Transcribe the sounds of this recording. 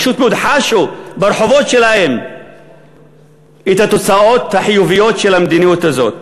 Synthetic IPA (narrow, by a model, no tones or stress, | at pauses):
ʃut̪mud̪ħaʃubaɾˤħovot̪ʃelahem | ʔit̪at̪ot͡saʔot̪ːaħjuvijot̪ʃelamd̪inijot̪azot̪̚